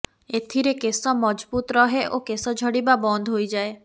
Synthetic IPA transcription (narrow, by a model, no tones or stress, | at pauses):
et̪ʰiɾekesɔmɔd͡ʒbut̪ɾɔɦeʔokesɔd͡ʒʱɔɽibabɔnd̪ʱɦojd͡ʒae